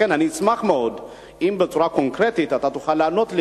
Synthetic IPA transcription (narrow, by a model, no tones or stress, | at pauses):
enhanismaxmeod̪ | ʔimbet͡suɾakoŋkɾet̪it̪at̪at̪uxalːanot̪l